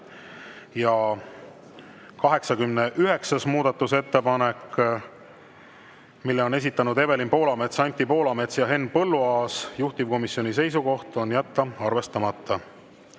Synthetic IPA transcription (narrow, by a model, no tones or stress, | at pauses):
jɑ | kɑɦe̞ksɑkymneʔyɦe̞ksɑsmuːd̪̥ɑt̪ːˑuse̞t̪ːe̞pɑne̞kː | milːeo̞ne̞s̬it̪ːˑɑnud̪e̞ve̞linpo̞ːlɑme̞t̪sɑnʲt̪ːˑipo̞ːlɑme̞t̪sjɑɦe̞npɤ̞lːuɑːsjuht̪ivko̞misːjo̞nʲis̬e̞js̬uko̞ht̪o̞njæt̪ːɑɑrve̞st̪ɑmɑt̪ːɑ